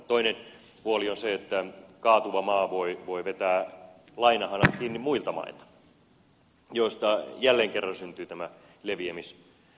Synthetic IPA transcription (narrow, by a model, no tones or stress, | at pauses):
t̪oinen | puolionseet̪ːækɑːt̪uʋɑmɑːʋoiʋoiʋet̪æː | lɑinɑhɑnɑkkiːnːimmuilt̪ɑmɑ̰ilt̪ɑ̥ | joist̪ɑjælːeːŋkerːɑnsynt̪yːt̪æmæ | leʋiemis